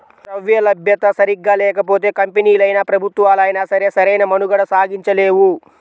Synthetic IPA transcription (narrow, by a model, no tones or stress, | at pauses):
sɾɐʋjɐlɐbʱjɐt̪ɐsɐɾiɡːaːlɛːkɐpoːt̪̬e̞ːkɐmpeniːlɐjnaːpɾɐbʱut̪ʋaːlɐjnaːsɐɾe̞ːsɐɾɐjnɐmɐnuɡɐɽɐsaːɡiɲt͡ʃɐle̞ːʋu